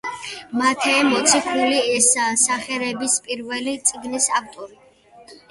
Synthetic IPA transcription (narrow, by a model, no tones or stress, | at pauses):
mat̪ʰɛːmɔt̪sʰiχʰuliɛsasaχɛɾɛbispʼiɾvɛlit̪sʼiɡnisak̚ʰt̪ʼɔɾi